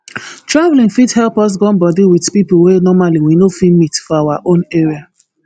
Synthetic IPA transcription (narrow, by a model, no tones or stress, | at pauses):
tɹavlĩŋfidhɛlˠpɔs̬ɡɔ̃nbɔdiwidpipl̩wenɔmaliwinofimitfɔawaʔõneɹia